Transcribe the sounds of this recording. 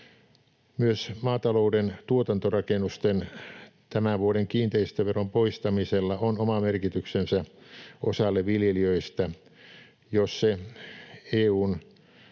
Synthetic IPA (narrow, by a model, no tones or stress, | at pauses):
myøsmɑːt̪ɑloudent̪uot̪ɑnt̪orɑkenust̪ent̪æmæʋuoɾeŋkiːnt̪eist̪øʋerompoist̪ɑmiselːɑonomɑmerkit̪yksensæʔosɑlːeʋʋiljeliøist̪æ | josse | eːuːn